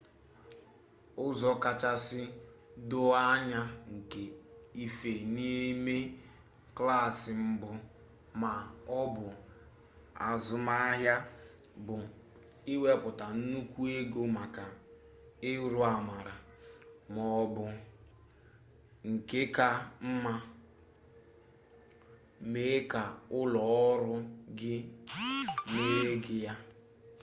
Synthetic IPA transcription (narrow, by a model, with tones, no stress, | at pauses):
ʊ˦zɔ˦ka˨t͡ʃa˦sɪ˦ | dʊ˦a˦ɲa˦ŋ̩˨ke˨i˦fe˨ni˦me˦ | kla˦˨sɪ˨m̩˦bʊ˦ | ma˨ɔ˦bʊ˨ | a̰˨zʊ˨ma˦ɦja˦bʊ˨ | i˦we˦pʊ˨ta˨n̩˦nu˦kʷu˦e˦ɡo˦ma˨ka˨ | ɪ˦ɾʊ˦a˨ma˨ɾa˨ | mɔ˨ɔ˨bʊ˨ | ŋ̩˨kɪ˦ka˦m̩˦ma˦ | me˦ka˨ʊ˦lɔ˨˦ɔ˦ɾʊ˦ɡɪ˦ | me˦e˦ɡɪ˦ja˦